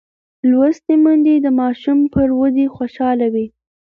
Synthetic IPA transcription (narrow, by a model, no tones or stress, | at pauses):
lwast̪emənd̪ed̪əmɑʃumpəɾwad̪exwoʃɑlawi